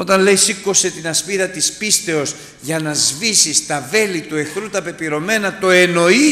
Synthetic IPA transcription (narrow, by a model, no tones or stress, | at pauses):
o̞t̪ɐnle̞jsiko̞se̞t̪inɐspiðɐt̪ispist̪e̞o̞s | ʝɐnɐzvisist̪ɐve̞lit̪ue̞xɾut̪ɐpe̞piɾo̞me̞nɐt̪o̞e̞no̞i